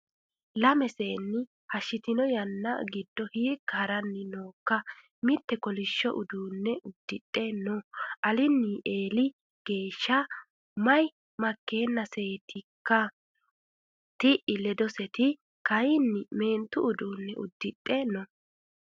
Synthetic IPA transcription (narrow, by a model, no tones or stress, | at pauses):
lɐmɛseːnːɪ | hɐʃːɪt̪ɪnɔjɐnːɐ̰ɡɪd̪ːɔhiːkːɐhɐɾɐnːɪnoːkːɐ | mɪt̪ːɛkɔlɪʃːɔʔʊd̪uːnːɛʊd̪̥ːɪtʼːenɔʔɐlɪnːɪʔeːlɪ | ɡ̥e̞ːʃːɐ | mɐj | mɐkːe̞ːnːɐseːt̪ɪkːɐ | t̪ɪʔɪlɛd̪ɔsɛt̪ɪ | kɐjɪnːɪme̞ːnt̪ːʊʊd̪uːnːɛʊd̪ːɪtʼːɛnɔ